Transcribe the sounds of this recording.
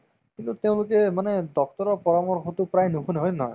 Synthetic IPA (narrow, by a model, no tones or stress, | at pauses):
kint̪ut̪ẽʊ̃lukemaned̪ɔkt̪ɔɾɔpɔɾɔmɔɾkʰɔt̪upɾajnukʰuneɦɔjnɔ